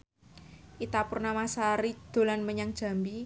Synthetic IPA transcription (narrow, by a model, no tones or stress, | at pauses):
ʔit̪apʊrnamasaɾid̪̥o̤lanməɲaŋd̥ʒ̥a̤mbi